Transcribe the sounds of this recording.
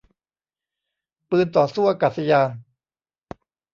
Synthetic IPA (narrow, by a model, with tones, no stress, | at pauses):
pɯː˧nt̪ɔː˨˩suː˥˩ʔa˧kaː˨˩t̪̚sa˧jaː˧n